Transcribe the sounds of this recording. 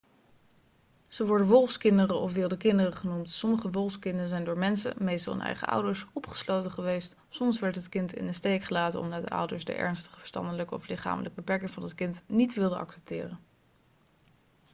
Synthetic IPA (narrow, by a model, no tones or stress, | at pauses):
z̥əʋɔɹdənʋɔlˠfskɪndərəʔɔfʋɪːlˠdəkɪndərəχənumtsɔməχəʋɔlˠfskɪndəzɛjndʊːɹmɛnsə̰mejstɑlˠə̰nʔɛ̰jχə̰ʌ̰wdəɹsɔpχə̥slowtəχəʋejst | sɔmsʋɛɹtɦətkɪntɪ̰nənstejkχəlaːtəɔ̰mdɑd̚də̰ʔʌ̰wdəɹsdə̰ʔɛ̰ɹnstə̥χə̥və̥ɹstɑ̰ndələkɔ̰flɪχa̰ːmələk̚bəpɛɹkɪŋvɑndɑtkɪntnitʋɪlˠdəɑ̰ksɛp̚tɪ̰ːrən